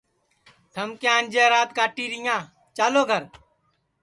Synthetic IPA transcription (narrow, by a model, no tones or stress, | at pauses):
t̪ʰəmkeãːnʲd͡ʒeːɾaːt̪kaːʈiːɾijãː | t͡ʃaːloːɡʱəɾ